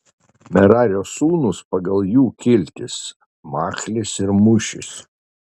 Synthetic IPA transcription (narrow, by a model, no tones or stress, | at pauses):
mʲɛɾɑːɾʲoːsuːnʊspɐɡɐlˠjuːkʲɪlʲt̪ʲɪs | mɑːklʲɪsɪɾmʊʃʲɪ̰s